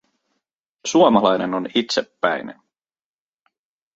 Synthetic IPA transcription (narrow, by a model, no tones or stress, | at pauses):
suomɑlɑjnenonit̪sepːæjnen